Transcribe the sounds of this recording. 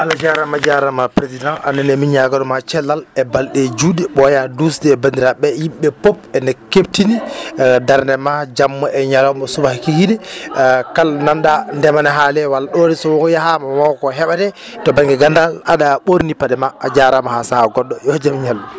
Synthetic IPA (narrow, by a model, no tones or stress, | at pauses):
ʔalad͡ʒaɾamad͡ʒaɾamapɾezidãŋanɛnɛmiɲaɡaɗɔmat͡ʃɛlːalɛbalɗɛd͡ʒudɛɓɔjadusdɛːbandiɾaɓɛjimɓɛpop̚ɛnɛkebtinidaɾnɛmad͡ʒamːɔʔɛɲalɔmɔsubahkihidɛ | kalnandandɛmanɛɦalɛwalaɗodisɔwɔjaɦamawɔkɔɦɛɓadɛ | tɔbaŋɡɛɡandalaɗaɓoɾnipadɛmaːd͡ʒaɾamahasaaɡɔɗːɔjɔd͡ʒamɲalːɔ